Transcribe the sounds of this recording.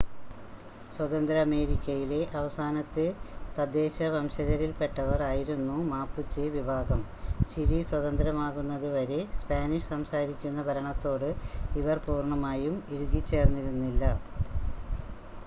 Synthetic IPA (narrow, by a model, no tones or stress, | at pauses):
swɐd̪ɐnd̪ɾɐɐːme̞ːɾikʲːɐjile̞ʔɐʋɐsaːnɐt̪ːet̪ɐd̪e̞ːɕɐʋɐmɕɐɣɐɾilpe̞ʈːɐʋɐraːjiɾunːumaːpːut͡ɕːeʋibʱaːɡɐmt͡ɕiɾiswɐðɐnd̪ɾɐmaːɣunːɐðɨʋɐɾe̞spaːniʂsɐmsaːɾikʲːunːɐbʱɐɾɐɳɐt̪ːo̞ːɽɨiʋɐrpuːrɳɐmaːjumiɾuɡit͡ɕːe̞ːrnːiɾunːilːɐ